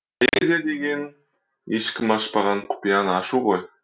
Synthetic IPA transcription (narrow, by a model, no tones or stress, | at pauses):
ezed̪e̞ɡʲe̞n | eʃkʲɪmɑʃpɑʁɑɴqʰʊ̥pijɑnəɑʃuʁo̞j